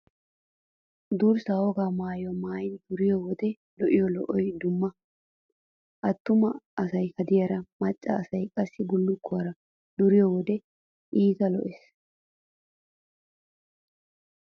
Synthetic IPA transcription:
d̪uːɾsɐwɔɡaːmaːjɔmaːjɪnd̪̥ʊɾɪjɔwɔd̪ɛ | lɔʔɪjɔlɔʔɔjd̪ʊmːɐ | ʔɐt̪ːʊmɐɐsɐjhɐd̪ɪjɐɾɐmɐt͡ʃʼːɐ̰ːsɐjkʼɐsːɪbʊlːʊkːʊɐɾɐ | d̪ʊɾɪjɔwɔd̪ɛ | ʔiːt̪ɐlɔʔɛs

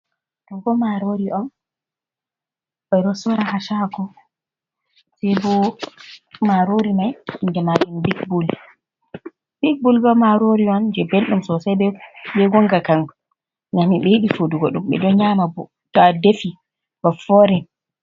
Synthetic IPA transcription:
tɔnkɔmaɾoɾiʔɔn | bɔɾɔsɔɾaɦaʃaɡɔ | sɛbɔ | maɾoɾimajndɛmabɛnbikbul | b̥ik̚bulbɔmaɾoɾiɔnd͡ʒɛbelɗumsɔsajbɛbɛɡɔŋɡakaŋ | namiɓɛjiɗifoduɡɔɗumɓɛ̰dɔɲamabɔ | tɔadefi | bafɔɾɛn

